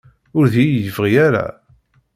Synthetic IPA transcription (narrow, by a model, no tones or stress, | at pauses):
ʊɾðijəfʁijaɾa̰